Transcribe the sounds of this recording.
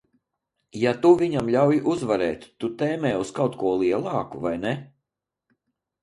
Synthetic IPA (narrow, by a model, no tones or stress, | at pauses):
jat̪uvʲiɲamʎʲawjiʔuzvaɾɛ̰ːt̪ʲːut̪ɛːmɛːuskawt̪kuɔlˠiɛlˠɑːkuvajnɛ